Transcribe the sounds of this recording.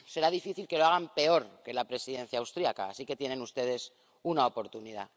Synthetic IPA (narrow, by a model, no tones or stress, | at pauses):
se̞ɾaðifiθilkeloaɣ̞ampe̞o̞ɾke̞lapɾe̞siðe̞n̟θjawst̪ɾiaka̰ːsike̞t̪je̞ne̞nust̪e̞ð̞e̞s | unao̞po̞ɾt̪uniða̰